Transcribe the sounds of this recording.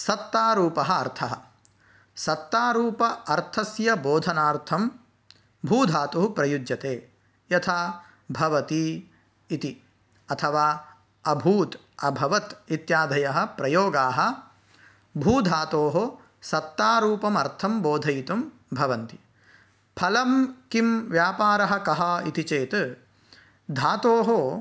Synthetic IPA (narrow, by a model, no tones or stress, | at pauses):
sɐt̪ːaːɾuːpɐɦɐːɾt̪ʰɐɦɐ̆ | sɐt̪ːaːɾuːpɐɐɾt̪ʰɐsjɐboːd̪ʱɐnaːɾt̪ʰɐm | bʱuːd̪ʱaːt̪uɦupɾɐjud͡ʒjɐt̪eː | jɐt̪ʰaː | bʱɐʋɐt̪iː | t̪i | ɐt̪ʰɐʋaː | ɐbʱuːt̪ | ɐbʱɐʋɐt̪it̪jaːd̪ʱɐjɐɦɐ̆pɾɐjoːɡaːɦɐ̆ | bʱuːd̪ʱaːt̪oːɦo | sɐt̪ːaːɾuːpɐmɐɾt̪ʰɐmboːd̪ʱɐjit̪um | bʱɐʋɐnt̪i | pʰɐlɐmkimʋjaːpaːɾɐɦɐ̆kɐɦɐit̪it͡ʃeːt̪ | d̪ʱaːt̪oːɦo